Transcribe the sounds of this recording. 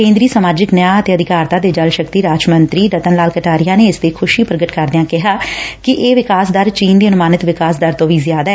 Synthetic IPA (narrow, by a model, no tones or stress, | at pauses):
kẽːnd̪ɾiːsəmaːd͡ʒəknəjaːət̪eːəd̪ɪkaːɾt̪aːd̪eːd͡ʒəlʃəkt̪iːɾaːt͡ʃmənt̪ɾiːɾət̪ənlaːlkəʈaːɾɪjaːneːɪst̪eːkʰʊʃiːpɾəɡəʈkəɾd̪eãːkɪɦaːkɪʔeːʋɪkaːsd̪əɾt͡ʃiːnd̪eːənʊmaːnɪt̪ʋɪkaːsd̪əɾt̪õːʋiːzɪjaːd̪aːɛ